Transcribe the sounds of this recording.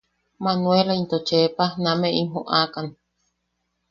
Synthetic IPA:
manuelaint̪ot͡ʃepanãmẽʔimɦõʔakan

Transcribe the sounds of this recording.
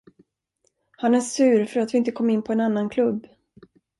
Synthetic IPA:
hanæʂʉ̟ːɾfœɾat̪vɪɪnt̪əkʰɔmːɪnːpʰɔɛnanːankʰlɵbː

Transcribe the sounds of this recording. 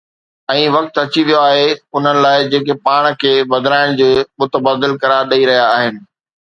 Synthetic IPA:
ɛ̃ːʋɐk̚t̪ɐt͡ɕiʋijoaːɦeʊn̤ənɪ̆laːɪd͡ʑeːkepaːɽ̃kʰeːbɐd̪ʱɾaːɪɽ̃d͡ʑeːmʊt̪əbaːd̪ɪlkɐɾaːɾɗɐiɾɐɦijaːɦɪnɪ̆

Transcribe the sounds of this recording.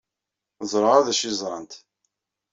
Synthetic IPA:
zˤɾˤəʁæðæʃizˤɾˤɑnt̪

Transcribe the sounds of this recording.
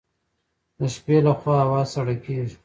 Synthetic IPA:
d̪əʃpelaxwɑawɑzsaɽakeʒi

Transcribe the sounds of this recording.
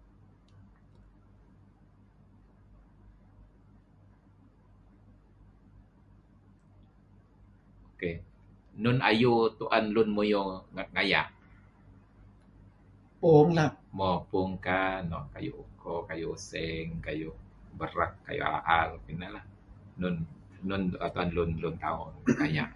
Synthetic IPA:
oke | nʊna̰jut̪uʔanlʊnmujuŋaŋaja̰ʔ | pɔŋlamɔpʊŋkanɔ̰kajṵukɔkajusɛŋkajubəɾəkːa̰jṵa̰ʔalpinalah | nʊnː | ʊnət̪uanlʊnlʊnt̪a̰ʊnŋaja̰ʔ

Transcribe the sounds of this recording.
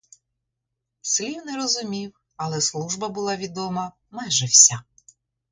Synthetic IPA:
slʲiwnɛɾɔzʊmʲiw | ɐlˠɛslˠuʒbɐbʊlˠɑʋʲid̪ɔmɐ | majʒɛwsʲa

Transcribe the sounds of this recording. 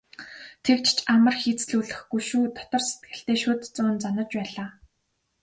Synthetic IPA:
t̪ʰekt͡ɕt͡ɕamə̆rxiːt͡sɮuːɮɘ̆xɡujʃuːt̪ʰɔ̥t̪ɞ̆rset̪̚ɡɘ̆ɬt̪eːʃʊːt̪t͡sʊːnt͡sanɞ̆t͡ɕpæːɮaː

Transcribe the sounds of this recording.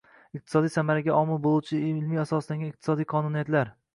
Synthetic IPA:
ɪq̚t̪ʰɪ̥sɒd̪ijsamaɾaɡʲaʔɒmɪlˠbolˠuwt͡ʃʰɪɪlmijasɒslaŋɡʲanɪqt̪ɪ̥sɒd̪ijqʰɒnunijat̪laɾ

